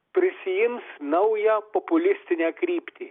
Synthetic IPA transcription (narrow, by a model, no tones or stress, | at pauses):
pɾɪsʲijinsnɔwjɐpɔpʊlʲɪsʲt̪ʲɪnʲɐkɾʲipt̪ʲi